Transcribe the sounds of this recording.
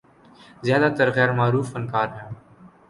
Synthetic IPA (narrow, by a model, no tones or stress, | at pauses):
zjaːd̪aːt̪əɾɣɛːɾmaːɾuːfənkaːɾɦɛ̃ː